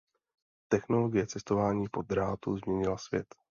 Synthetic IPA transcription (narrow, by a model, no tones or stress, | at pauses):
t̪ɛxno̞lo̞ɡɪjɛt͡sɛst̪o̞vaːɲiːpo̞d̪ɾaːt̪uzmɲɛɲɪlasvjɛ̰t̪